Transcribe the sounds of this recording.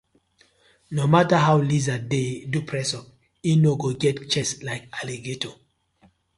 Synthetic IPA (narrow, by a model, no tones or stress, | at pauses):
nomataɦawlizadedupʰɹɛsɔp̚ | inoɡoɡɛtt͡ʃɛslaɪkaleɡetʰo